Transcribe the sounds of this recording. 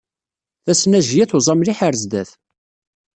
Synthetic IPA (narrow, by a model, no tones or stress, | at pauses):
θæsnæʒjæθwzˤɑmliħəɾzd̪æθ